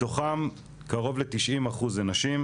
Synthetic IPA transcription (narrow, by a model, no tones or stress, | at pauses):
to̞χam | kaʁo̞vlet̪iʃʔimaχuzenaʃim